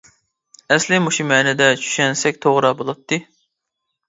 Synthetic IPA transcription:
ɛslɪmuʃumɛːnɛd̪ɛt͡ʃʰy̥ʃɛnsɛkʲt̪ʰoʁɾɑbolˠɑt̪ʰːɨ

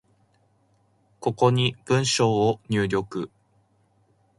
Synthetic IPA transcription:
ko̞ko̞ɲ̟ib̥ɯ̟̃ɰ̃ɕo̞ːɲ̟ɨːɾʲo̞kɯ̟

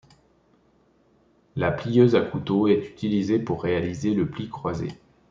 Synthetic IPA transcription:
laplijøzakut̪oɛt̪y̥t̪ilizepuʁːealizeləplikχwazḛ

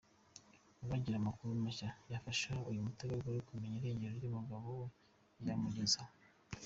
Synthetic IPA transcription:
uβaːɲɟiɾamakuɾumaʃajafaʃaujumuteɡaɡoikume̞ɲiɾe̞ːɲɟe̞ɾojomuɡaβo | iamuɟe̞za

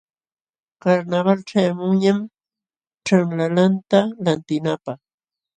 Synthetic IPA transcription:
kaɾnaβalʈ͡ʂajamʊŋɲam | ʈ͡ʂaŋlalant̪alant̪ɪnapɑχ

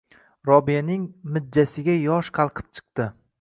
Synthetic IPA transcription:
ɾɒbijanɪŋmɪd̪̚d͡ʒːasɪɡʲajɒʃqʰɑlˠqʰɨ̥p̚t͡ʃʰɨ̥q̚t̪ɪ

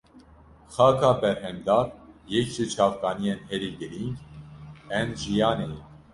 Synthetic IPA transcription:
xɑkʰɑbɛɾɦɛmd̪ɑɾjɛkt͡ʃit͡ʃʰɑvkɑnijɛnhɛɾiɡəɾiŋk | ɛnʒijɑnɛ

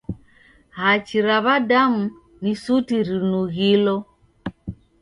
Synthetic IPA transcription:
hat͡ʃiɾaβadamu | nisutiɾinuɣilɔ

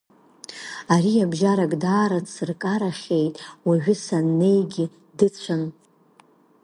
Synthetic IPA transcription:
aɾiabʒaɾakʼdaːɾat͡sɨrkʼaɾaχʲe̞jtʼwaɥᶣʊsanːe̞jɡʲɪ | dɨt͡sʷʰan

